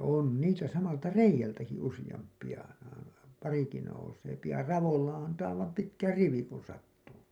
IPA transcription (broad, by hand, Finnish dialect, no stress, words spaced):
oˑn niːsæ sɑmɑltɑ reijˑæltæki usijɑmpˑij̆ɑ pɑriki nouseːpi jɑ rɑʋolːɑ ɑntɑː olːɑp pitkæ riʋi kun sɑtːuːpi